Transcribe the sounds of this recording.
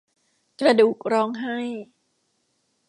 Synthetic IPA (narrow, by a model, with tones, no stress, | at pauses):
kɾa˧duː˨˩k̚ɾɔː˧˥ŋɦa˥˩j